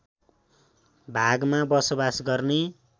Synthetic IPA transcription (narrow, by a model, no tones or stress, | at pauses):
bʱaɡmabʌsobasɡʌrne